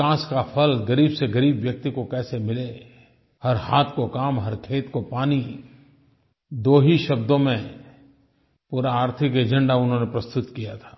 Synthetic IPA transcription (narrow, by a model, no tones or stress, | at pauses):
ãːskapʰɐlɡɐɾiːbseɡɐɾiːbʋjɐk̚t̪ikokɛːsemɪle | hɐɾhaːt̪ʰkokaːmɦɐɾkʰeːt̪kopaːni | d̪oːɦiʃɐb̚d̪õmẽ | puːɾaːɾt̪ʰɪkeːd͡ʒə̃ɳɖaʊnɦõnepɾɐst̪ʊt̪kijat̪ʰḁː